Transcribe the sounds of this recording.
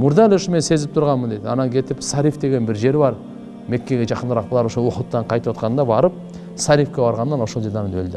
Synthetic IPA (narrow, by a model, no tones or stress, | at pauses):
mʊɾd̪ɑlʊʃme̞nse̞zɪp̚t̪ʰʊɾʁɑnmːənd̪ed̪ɪɑ̰nɑŋkʲʰe̞t̪ɪpsɑɾifd̪e̞ɡʲe̞nbɪɾʒe̞ɾbɑɾ | me̞kʲːe̞ɡʲe̞ʒɑqənd̪əɾɑq̚blˠɑɾwoʃowoqət̪ːɑɴqʰɑjt̪əwot̪̚qɑnənd̪ɑbɑɾəp̚ | sɑɾifkʲebɑɾʁɑnːɑnwo̞solˠd͡ʒeɾd̪ɑnənʰɵ̰ld̪ɪ